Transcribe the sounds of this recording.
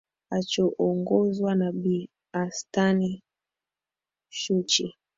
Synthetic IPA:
at͡ʃɔʔɔŋɡɔzwanabi | astani | ʃut͡ʃi

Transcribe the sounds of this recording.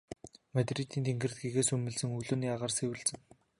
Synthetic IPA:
mat̪rit̪iːnt̪ʰeŋɡɘ̆rt̪̚ɡeɣeːsɵmɘ̆ɮsɘ̆ŋuɮɵ̆njaːʁaːrseːwɘ̆ɮt͡sɘ̆ŋ

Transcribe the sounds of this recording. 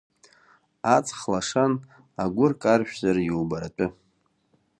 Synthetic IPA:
at͡sʼχlaʂan | aɡʷʊrkʼarʃᶣzarjowbaɾatʼʊ

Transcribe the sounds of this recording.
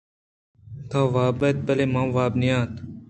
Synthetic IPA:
t̪ʰaːʋaːbɐt̪̚bɐlemãːʋaːbnijaːt̪

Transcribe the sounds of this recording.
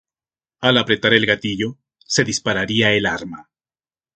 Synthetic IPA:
alapɾe̞t̪aɾe̞lɣat̪iʝo̞ | se̞ðispaɾaɾiae̞laɾma

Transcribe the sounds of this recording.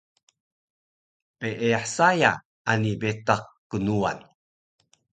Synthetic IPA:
peʔeaħsaja | anibetaq̚kənua̰n

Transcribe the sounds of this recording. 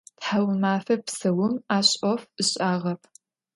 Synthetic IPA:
tħawmaːfɐpsɐwʊmaːɕʼɔfɨɕʼaːʁɐpʰ

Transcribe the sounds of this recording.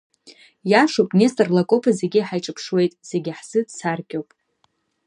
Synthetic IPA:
jaʂowpʼnʲestʼarlakʼopʰazeɡʲiħajʈ͡ʂʼɨpʰʂwe̞jtʼse̞ɡʲiħsɨdsarkʲʼowpʼ

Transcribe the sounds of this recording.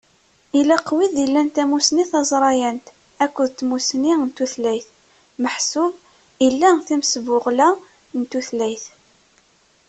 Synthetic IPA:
ilæqːwiðilːænt̪æmusniθɑzˤɾˤɑjænt̪ | ækʷːʊðt̪ːmusnint̪uθlæjθ | məħsʊb | ilːæθimsvʊʁlæ | nt̪ːuθlæjθ

